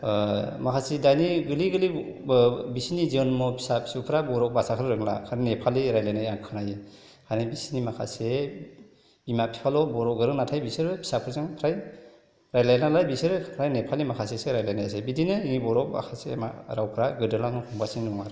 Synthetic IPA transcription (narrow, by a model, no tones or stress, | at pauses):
makʰasidajniɡɯliɡɯli | bisiniziɔnmɔpʰi̥sapʰsupʰɾabɔɾɔk̚basakʰɯɾɯɾɯŋla̰kʰaɾnepʰaliɾajlajnajaŋkʰɯnajɯ | kʰajnabisinimakʰa̰se | bimapʰi̥pʰalɔbɔɾɔk̚ɡɯɾɯŋnatʰajbisɯɾɯpʰi̥sapʰɯɾzɯŋpʰɾaj | ɾajlajnalajbisɯɾɯpʰɾajnepʰalimakʰaseseɾajlajnajas̬ebidinɯiŋibɔɾɔk̚ba̰kʰasḛma̰ɾawpʰɾaɡɯdɯlaŋnɯhʰɔŋbasiŋnɔŋaɾ